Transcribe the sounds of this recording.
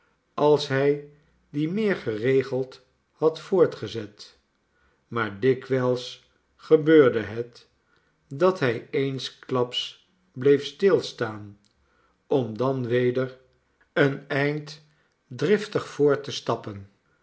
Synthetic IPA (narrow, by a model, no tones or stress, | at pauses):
ʔɑlˠsɦɛj | dimɪːɹχərejχəlˠt | hɑtfʊːɹtχəzɛt | maːɹdɪkʋɛlˠs | χəbøːɹdəɦət | dɑtɦɛjejnsklɑps | blejfstɪlˠstaːn | ɔmdɑnʋejdəɹ | ənɛjnt | drɪftəχfʊːɹtəstɑpən